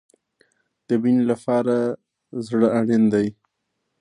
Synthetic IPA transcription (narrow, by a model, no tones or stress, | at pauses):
d̪̥əbinlapɑɾa | zɽəaɽend̪aj